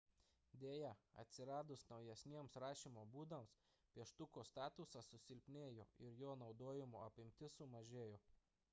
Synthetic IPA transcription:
d̪ʲeːjɛɐ̰t̪ʲsʲɪɾɑːd̪ʊsnɒʊjɛsʲnʲiɛmsɾɑːʃʲiːmoːbuːd̪ɐms | pʲiɛʃt̪ʊkoːst̪ɑːt̪ʊsɑsʊsʲɪlʲpʲnʲeːjo̰ːɪɾjoːnɒʊd̪oːjɪmoːɐpʲɪmʲt̪ʲɪsʊmɐʒʲeːjoː

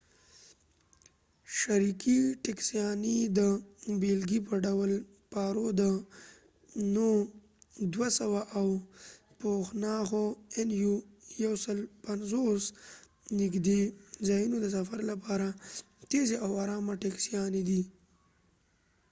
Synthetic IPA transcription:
ʃaɾikiʈeksijɑnid̪əbelɡipəɖawl | pɑɾod̪ə | no | d̪wasawaʔaw | poxnɑxoenjujawsəlpanzos | nɪɡd̪ezɑjunod̪əs̬afaɾlapɑɾa | t̪ezeawaɾɑmaʈeksijɑnid̪i

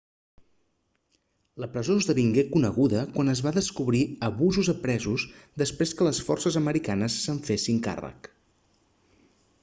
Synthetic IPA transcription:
ləpɾəzozðəβiŋɡekunəɣuðəkwanəzβaðəskuβɾiəβuzuzəpɾɛzuzd̪əspɾeskələsfɔ̰rsəzəməɾikanəsːəɱfesiŋka̰rə̰k

